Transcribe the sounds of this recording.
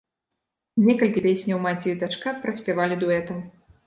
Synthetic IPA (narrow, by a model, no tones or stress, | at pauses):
nʲɛkɐlʲkʲipʲesʲnʲɐwmat͡sʲiid̪at͡ʂkapɾɐsʲpʲɛvalʲid̪uɛt̪ɐm